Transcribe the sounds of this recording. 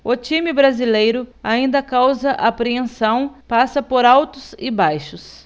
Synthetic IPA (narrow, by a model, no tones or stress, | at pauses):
ʊt͡ʃimɪbɾazilejɾʊaĩnd̪ɐkawzɐʔapɾeẽsɐ̃w̃pasɐpoɾawt̪ʊsɪbajʃʊs